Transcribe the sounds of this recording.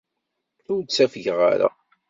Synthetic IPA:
θʊɾt͡sːæfʝʁa̰ɾa̰

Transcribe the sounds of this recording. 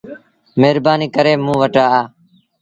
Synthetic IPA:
meːɾbaːniːkəɾeːmũːʋəʈaːaː

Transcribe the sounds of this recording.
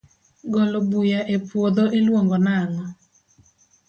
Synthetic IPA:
ɡɔlobujaʔepwod̪oʔelwoŋɡɔnaŋɔ

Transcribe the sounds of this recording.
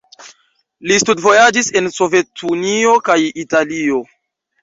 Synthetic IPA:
listudvo̞jad͡ʒise̞nso̞ve̞tʰunio̞kajitalio̞

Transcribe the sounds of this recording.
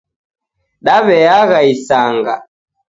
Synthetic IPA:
ɗaβɛaɣaisaŋɡa̰

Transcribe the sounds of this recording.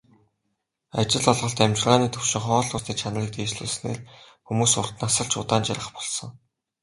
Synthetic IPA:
at͡ɕɪ̆ɮɔɮʁɞ̆ɬt̪æmʲt͡ɕɪ̆rʁaːniːt̪ʰɵwʃɪ̆ŋχɔːɮʊrt̪iːkt͡ɕʰanə̆riːk̚t̪eːt͡ɕɮuːsnḛːr | xumuːsʊr̥t̪nasə̆ɮt͡ɕʰʊ̰t̪aːnt͡ɕaɾə̆χpɔɮsɞ̆ŋ

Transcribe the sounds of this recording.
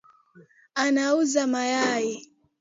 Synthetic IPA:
anauzamajaji

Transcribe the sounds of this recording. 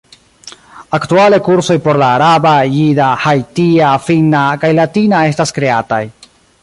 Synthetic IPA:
aktuale̞kuɾso̞jpo̞ɾlaːɾabajidahajtiafinakajlatinae̞s̬taskɾe̞ataj

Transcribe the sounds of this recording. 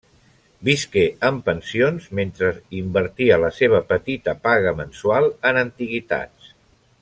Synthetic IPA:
biskeəmpənsionzment̪ɾəimbəɾt̪iələseβ̞əpət̪it̪əpaɣəmənsualˠənənt̪iɣit̪a̰t͡s

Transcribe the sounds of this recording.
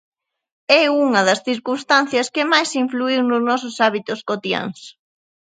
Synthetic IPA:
ɛuŋɐðɐsθiɾkunst̪an̟θjɐskɪmajsiɱfluiwnʊznɔsʊsaβit̪ʊskot̪ja̰ŋs

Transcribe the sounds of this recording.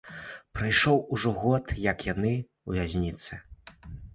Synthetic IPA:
pɾajʂɔwuʐɔɣɔt̪jɐkjanɨ | uvʲazʲnʲit̪sɨ

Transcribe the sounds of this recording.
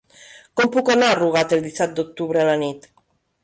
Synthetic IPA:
kompukonaruɣ̞at̪eld̪isat̪̚d̪ok̚t̪uβɾealanit̪

